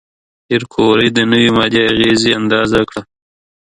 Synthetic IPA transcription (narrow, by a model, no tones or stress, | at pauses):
ɪɾkʰoɾəjd̪ənəwimɑd̪iaɣeziand̪ɑzakɽa